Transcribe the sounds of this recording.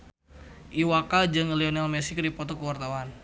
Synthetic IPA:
ʔiwakad͡ʒəŋliɔnalmɛsɪkɾipɔt̪ɔkəwart̪awan

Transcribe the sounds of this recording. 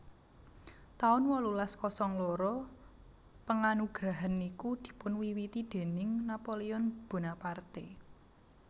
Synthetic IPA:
t̪aʊnwɔlulaskɔsɔŋloɾɔ | pəŋanuɡ̥ɾaɦanikud̪̥i̤pʊnwiwit̪id̪̥e̤nɪŋnapoliɔnb̥o̤napart̪e

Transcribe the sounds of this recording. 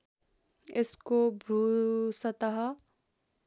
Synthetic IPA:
ɪskobʱɾuːsɐt̪aɦa

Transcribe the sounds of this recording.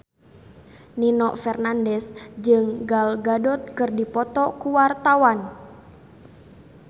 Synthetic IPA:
ninɔʔfɛrnandɛsd͡ʒɨŋɡalɡadɔt̪̚kɨrdipɔt̪ɔkuwart̪awan

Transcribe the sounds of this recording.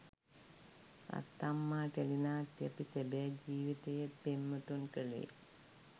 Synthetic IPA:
a̰t̪ːamːaːʈelinaːʈːiəpisebɛːd͡ʒiːʋit̪ejet̪̚pemːət̪unkəɭḛ

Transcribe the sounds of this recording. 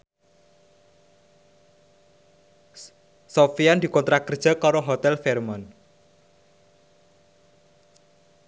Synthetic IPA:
sofiand̪i̤kɔnt̪ɾakərd̥ʒ̥a̤kɔɾoɦot̪ɛlfɛrman

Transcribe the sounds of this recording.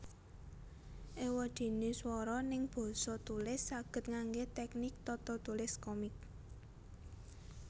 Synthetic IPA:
ʔewɔd̪̥e̤neswɔɾɔnɪŋb̥ɔ̤sɔt̪ulɪsːaɡ̥ə̤t̪̚ŋaŋɡet̪ɛknɪk̚t̪ɔt̪ɔt̪ulɪskɔmɪk̚

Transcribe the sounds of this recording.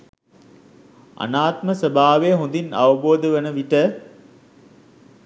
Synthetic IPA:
a̰naːt̪məsəbaːʋeːɦũnd̪ina̰ʋəboːd̪əʋənəʋiʈə

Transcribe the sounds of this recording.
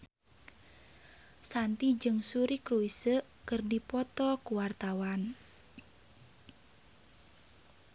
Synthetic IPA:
sant̪id͡ʒɨŋsuɾikɾuisəʔkɨrdipɔt̪ɔkuwart̪awan

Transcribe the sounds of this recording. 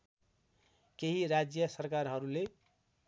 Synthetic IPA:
keɦiɾad͡zjʌsʌɾkaɾɦʌɾule

